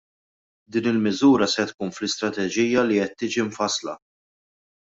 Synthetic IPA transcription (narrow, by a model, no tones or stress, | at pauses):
d̪iːnɪlmɪzuːɾɐsɛt̪kuːnflɪst̪ɾɐt̪ɛd͡ʒiːjːɐliɛt̪ːiːd͡ʒiɱfɐslɐ̰